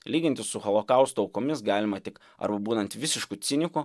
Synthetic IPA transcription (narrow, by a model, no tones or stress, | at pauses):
lʲiːɡʲɪnʲt̪ʲɪssʊxɔlˠokɐʊst̪ʊɐʊkomʲɪsɡɑːlʲɪmɐt̪ʲɪk | ɐ̰ɾbɐbuːnɐnt̪ʋʲɪsʲɪʃkut̪sʲɪnʲɪkʊ